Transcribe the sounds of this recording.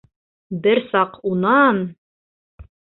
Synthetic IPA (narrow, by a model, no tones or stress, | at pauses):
bɘɾsɑqunɑn